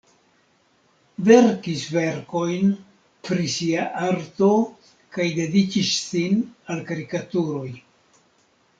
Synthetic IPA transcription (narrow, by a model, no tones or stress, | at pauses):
ve̞ɾkisve̞ɾko̞jn | pɾisiaʔaɾto̞ | kajde̞dikissinalkaɾikatuɾo̞j